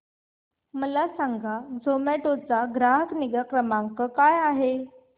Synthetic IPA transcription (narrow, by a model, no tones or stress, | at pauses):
məlasaŋɡʱad͡zʱomeʈot͡saɡɾaɦəkniɡəkɾəmãŋkəkajaɦe